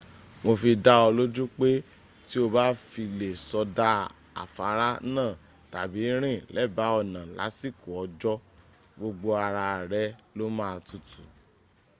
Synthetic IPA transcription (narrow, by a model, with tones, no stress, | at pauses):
wo˧fi˧da˦ɔ˧lo˦d͡ʒu˦k͡pe˦ | ti˦o˧ba˦fi˧le˨sɔ˧da˦ | a̰˨fa˨˦ɾa˦nãː˦˨ | ta˨bi˨˦ɾ̃ĩ˦˨lɛ˦˨ba˨˦ɔ˨nã˨la̰˨˦si˦˨ku˨ɔ˨˧d͡ʒɔ˦ | ɡ͡bo˧ɡ͡bo˧a˧ɾa˧˨ɾɛ˦lo˦mãː˦˧tu˦˨tu˨